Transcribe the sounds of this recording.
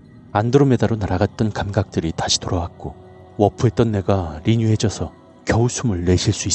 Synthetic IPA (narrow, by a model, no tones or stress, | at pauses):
andɯɾome̞daɾonaɾaɡat̚t͈ʌnkamɡak̚t͈ɯɾitaɕʰi̥toɾʌwak̚k͈o | wʌpʰɯet͈ʌnːeɡaɾiɲuɦe̞d͡ʑʌsʰʌ | kjʌusʰumɯɭːe̞ɕʰiɭs͈ui